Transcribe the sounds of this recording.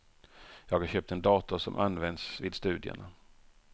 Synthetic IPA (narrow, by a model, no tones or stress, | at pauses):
jɑːɡhaɾɕøːp̚t̪ɛnd̪ɑːt̪ʊsɔmʔanvɛnd̪svɪd̪st̪ʉ̟ːd̪ɪə̰na